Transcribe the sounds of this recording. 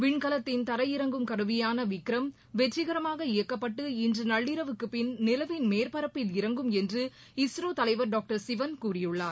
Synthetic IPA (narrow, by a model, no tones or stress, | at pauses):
ʋɪɳkɐlɐt̪ːɪnt̪ɐɾɐjɪɾɐŋɡɯmkɐɾɯʋɪjaːnɐʋɪkːɪɾɐm | ʋɛʈːɪɣɐɾɐmaːɣɐɪjɐkːɐpːɐʈːɯɪndrɯnɐɭːɪɾɐʋɯkːɯpɪnnɪlɐʋɪnmeːɾpɐɾɐpːɪlɪɾɐŋɡɯmɛndrɯ | ɪsɾoːt̪ɐlɐɪʋɐɾɖaːk̚ʈɐɾsɪʋɐnkuːrɪjɯɭːaːɾ